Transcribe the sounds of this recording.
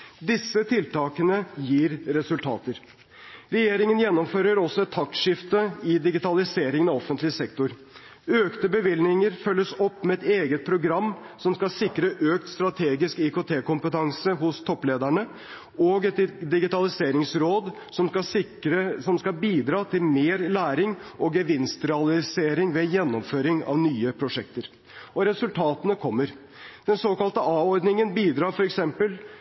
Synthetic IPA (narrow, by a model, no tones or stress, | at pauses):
d̪ɪsːət̪ʰɪlt̪ɑːkənəjiːɾɾɛsʉlt̪ʰɑ̰ːt̪əɾ | ɾɛjeːɾɪŋənjɛnːɔmføːɾəɾɔsːɔɛt̪ʰːɑkʂɪft̪əɪd̪ɪɡɪt̪ɑlɪseːɾɪŋənɑɔfənt̪lɪsɛkt̪ʊɾ | øːkt̪əbəʋɪlnɪŋəɾfœlːəsɔpːmɛɛt̪eːɡət̪̚pʰɾʊɡɾɑmːsɔmskɑsɪkɾəʔøːk̚t̪st̪ɾɑt̪ʰeːɡɪskɪkot̪ʰeːkʊmpət̪ʰɑŋsəɦʊst̪ʰɔpːleːd̪æɳə | oːɡɛt̪d̪ɪɡɪt̪ɑlɪseːɾɪŋsɾoːd̪ | sɔmkɑsɪɾəsɔmskɑlbiːd̪ɾɑːt̪ʰɪlmeːɾlæːɾɪŋʔɔɡəʋɪnst̪ɾɛɑlɪseːɾɪŋʋɛjɛnːɔmføːɾɪŋɑ̰ʋnyːəpʰɾʊʂɛk̚t̪əɾ | ɔɾɛsʉlt̪ʰɑːt̪ənəkʰɔmːəɾ | d̪̥ɛnsoːkɑlt̪əʔɑːɔɾd̪nɪŋənbiːd̪ɾɑːɾfɔɾɛksɛmpəl